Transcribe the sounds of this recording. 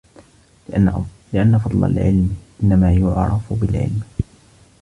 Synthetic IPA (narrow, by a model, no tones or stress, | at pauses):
lɪʔanːafɑd̪ˤla̰lʕɪ̰lmʔɪnːamaːjʊʕɾˤɑ̰fbɪlʕɪ̰lm